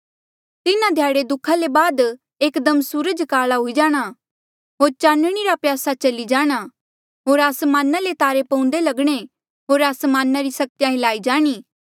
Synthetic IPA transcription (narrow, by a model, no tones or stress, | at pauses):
t̪ɪnãd̪ʱjaːɽed̪ʊkʰalebaːd̪ | eːkd̪əmsuːɾəd͡ʒkaːlaɦʊid͡ʒaːɽ̃a | ɦoːɾt͡ʃãːnəɽ̃iɾapjaːsat͡ʃɐlid͡ʒaːɽ̃a | ɦoːɾaːsmaːnalet̪aːɾepɐ̃ʊ̃nd̪elɐɡɽ̃e | ɦoːɾaːsmaːnːaɾisɐk̚t̪jãɦɪlaːid͡ʒaːɽ̃iː